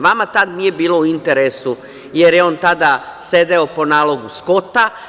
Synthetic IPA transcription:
ʋamat̪ad̪nije̞biːlo̞uint̪eɾesu | jeɾjeont̪ad̪ased̪e̞o̞po̞naːlo̞ɡusko̞t̪a

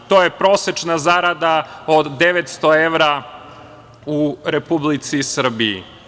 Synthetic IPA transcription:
t̪ojepɾo̞set͡ʃnazaɾad̪aod̪ːeʋet̪st̪oeʋɾa | uɾepublit̪sisr̩biḭ

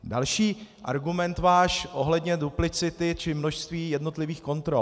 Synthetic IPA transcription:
dalʃiːʔa̰ɾɡumɛnt̪vaːʃʔo̞ɦlɛdɲɛduplɪt͡sɪt̪ɪt͡ʃɪmno̞ʃst̪viːjɛdno̞t̪lɪviːxko̞nt̪ɾo

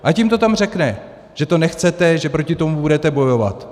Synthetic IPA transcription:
ʔacɪmt̪o̞t̪amr̝ɛknɛ | ʒ̥ɛt̪onɛxt͡sɛt̪ɛʒɛpɾo̞cɪt̪o̞mubudɛt̪ɛbo̞jo̞va̰t̪

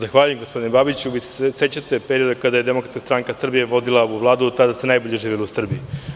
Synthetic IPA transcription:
zaxʋaːʎujemɡospo̞d̪inebabit͡ɕuʋisesese̞t͡ɕat̪e̞peɾio̞d̪ekad̪ajed̪emo̞kɾat̪kast̪ɾaŋkasr̩bijeʋo̞d̪ilˠauʋlˠaːd̪ut̪ad̪asenajboʎeʒiːʋilusr̩bii

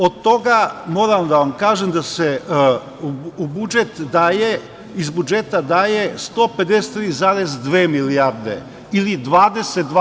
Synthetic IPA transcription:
od̪̚t̪o̞ɡamo̞ːɾamd̪aʋamkaːʒemd̪ase | ubud͡ʒet̪aje | izbud͡ʒet̪ad̪aːjest̪o̞ːpe̞d̪eset̪ːɾiːzaːɾezd̪ʋeːmiliaɾd̪ḛ | ilid̪ʋaːd̪e̞set̪̚d̪

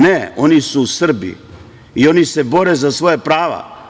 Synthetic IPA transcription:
neo̞nisuːsr̩bḭ | io̞nise̞bo̞ɾezasʋo̞japɾaːʋa̰

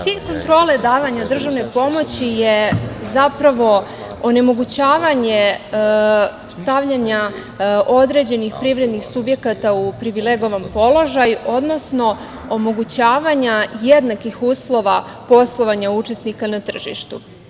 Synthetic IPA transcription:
t̪iːʎʲko̞nt̪ɾo̞ːle̞d̪aːʋaɲad̪r̩ʒaʋne̞po̞mo̞t͡ɕijezapɾaʋo̞ | one̞mo̞ɡut͡ɕaːʋaɲe̞ | st̪aʋʎaɲa | o̞d̪ɾe̞d͡ʑe̞nixpɾiʋɾe̞d̪nixsubje̞kat̪aupɾiʋile̞ɡo̞ʋampo̞lo̞ʒajuʔo̞d̪no̞sno̞ | omo̞ɡut͡ɕaːʋaɲajed̪nakixuːslˠo̞ʋapo̞slˠo̞ʋaɲaut͡ʃe̞snikanat̪r̩ʒḭʃt̪u

